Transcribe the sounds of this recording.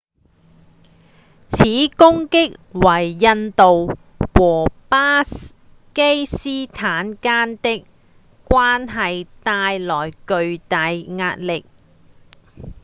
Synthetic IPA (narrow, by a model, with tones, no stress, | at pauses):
t͡sʰiː˨˥kʊ˥ŋkɪ˥k̚wɐ˨˩jːɐ˧nt̪o˨w | wɔː˨˩paː˥ | ke˥jsiː˥t̪ʰaː˨˥nkaː˥nt̪ɪ˥k̚ | kʷːwʷaː˥nɦɐ˨jt̪aː˧jlɔː˨˩jkɵ˨˧ɥt̪ɐ˨jŋaː˧t̚lɪ˨k̚